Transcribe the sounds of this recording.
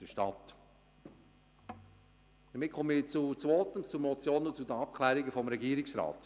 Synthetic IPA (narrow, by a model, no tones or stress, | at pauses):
d̥əʃtɑt | d̥əmɪt̚kʰɔmit͡sut͡svoːtəmt͡sumɔt͡sjoːnənt͡sudəɑp̚kʰlɛːɾɪɡəfɔmɾɛɡiːɾɪksɾɑ̰ːt